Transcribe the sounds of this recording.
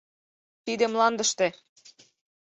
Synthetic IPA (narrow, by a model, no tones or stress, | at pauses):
t̪id̪emlɑnd̪əʃt̪e